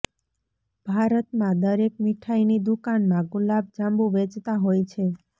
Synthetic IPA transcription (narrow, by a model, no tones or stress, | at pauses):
bʱaɾət̪mãd̪əɾek̚miʈʰainid̪ukanmãɡulab̚d͡ʒãmbũʋet͡ʃt̪aɦojt͡ʃʰe